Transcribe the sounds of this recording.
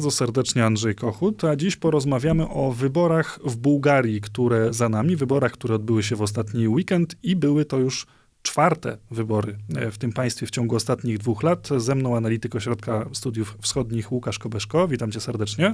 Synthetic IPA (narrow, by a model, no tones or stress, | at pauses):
ɾd̪zɔsɛɾd̪ɛt͡ʂɲɛand̪ʐɛjkɔxut̪ad͡ʑiɕpɔɾɔzmavʲjamɘʔɔvɘbɔɾaxvbuwɡaɾʲjikt̪uɾɛzanamʲivɘbɔɾaxkt̪uɾɛɔd̪̚bɘwɘɕ̬ɛvɔst̪at̪ɲiwikɛnt̪ibɘwɘt̪ɔjuʂ | t͡ʂfaɾt̪ɛ̰vɘbɔɾɘft̪ɘmpaj̃st̪fʲjɛft͡ɕɔŋɡuɔst̪at̪ɲiɣd̪vuxlat̪zɛmnɔ̃w̃analʲit̪ɘkɔɕɾɔt̪̚kast̪ud̪juffsxɔd̪ɲixwukaʂkɔbɛʂkɔvʲit̪amt͡ɕɛsɛɾd̪ɛt͡ʂɲɛ